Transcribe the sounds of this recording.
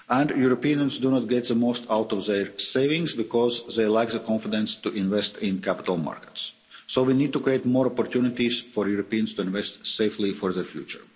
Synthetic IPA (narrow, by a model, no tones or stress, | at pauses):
ʔæ̃ndjuɾopiə̃nsd̪unɔt̪̚ɡɛt̪̚ðəmoʊst̪ʰawtɔvðɛɹseɪvɪ̃ŋsbɪkɔzðeɪlaɪkðəkʰɔ̃nfɪdɛ̃nst̪uʔɪ̃nvɛst̪ɪ̃nkʰæpɪ̥t̪əlˠma̰ɹkə̥ts | soʊʋiniːd̪̚t̪ukieɪtmɔɾɔpɔɾt̪junɪt̪izfɔɹjuɾopiə̃nst̪uɪ̃nvɛstseɪflifɔɹðɛɹfjṵːt͡ʃə̰ɹ